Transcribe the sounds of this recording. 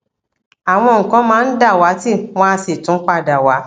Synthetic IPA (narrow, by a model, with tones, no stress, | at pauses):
a˨w̃ɔ̃˧ŋ̩˨kã˨˦mãː˦˧n̩˦da˦˨wa˨˦ti˦˨w̃ɔ̃˦a˧se˨tũ˨˦k͡pa˦˨da˨wa˨˦